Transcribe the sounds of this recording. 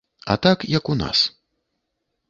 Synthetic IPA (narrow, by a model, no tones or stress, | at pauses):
ɐ̰t̪akjɐkuna̰s